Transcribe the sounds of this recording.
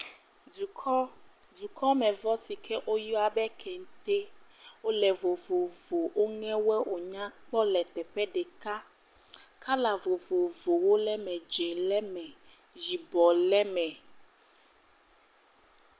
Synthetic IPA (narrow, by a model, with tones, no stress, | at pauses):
u˨˦ | du˨kʰɔ˦mɛ̃˨vɔ˦si˨kʰɛ˦ʔo˦jɔ˦a˨bɛ˦kʰɛ˨ŋ̩˨˦t̪e˦wo˦lɛ˨vo˨vo˨vo˨o˦ŋɛ̃˦wɛ˦ʔo˨ɲã˦k͡pɔ˦lɛ˨t̪ɛ˨ɸɛ˦ɖe˨ka˦ | ka˦la˨vo˨vo˨vo˨wo˦lɛ˦mɛ̃˨d͡ʒɛ˨lɛ˦mɛ̃˨ | d͡ʒi˨bɔ˨lɛ˦mɛ̃˨